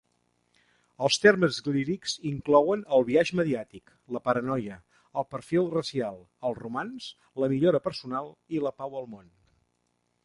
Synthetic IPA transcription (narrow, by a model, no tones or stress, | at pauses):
əlˠst̪erməzɣliɾikziŋklɔwənəlˠβiaʒməðiat̪ik | ləpəɾənɔjə | əlˠpəɾfilˠrəsialˠ | əlˠrumanz | ləmiʎoɾəpəɾsunalˠiləpawəlˠmon